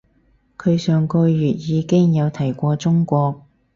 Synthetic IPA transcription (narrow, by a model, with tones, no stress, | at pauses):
kʰɵ˨˧ɥsœː˨ŋkɔː˧jyː˨t̚jiː˨˧kɪ˥ŋjɐ˨˧wt̪ʰɐ˨˩jkʷɔː˧t͡sʊ˥ŋkʷɔː˧k̚